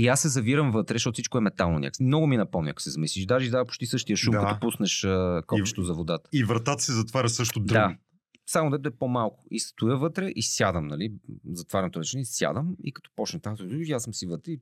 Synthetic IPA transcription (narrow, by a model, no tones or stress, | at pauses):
iasːɛzɐviɾəmvɤt̪ɾɛʃ̬tɔt̪fsit͡ʃʃkʊɛmɛt̪alˠno̰nʲa̰ksmnɔɡʊminɐpɔmnʲḭɐ̰ksɛzɐmisliʃʒd̪aʒɛizd̪apo̥ʃt̪isɤʃt̪ijəʃumkkkɐt̪ɔpusnɛʃəkɔt͡ʃɛ̥t̪ozɐvod̪at̪ə̥ivɾɐt̪at̪ə̥sɛzɐt̪vaɾʲəsɤʃt̪od̪ɾa | samod̪ɛt̪ɛpomalˠkʊ̥ist̪ʊjəvɤt̪ɾɛʔisjad̪əmnɐlizɐt̪vaɾɛnt̪ʊɾt͡ʃɛnɛisʲja̰d̪əmḭkɐ̥t̪ɔ̥pɔt͡ʃnɛt̪amt̪jasəmsivət̪ɾɛi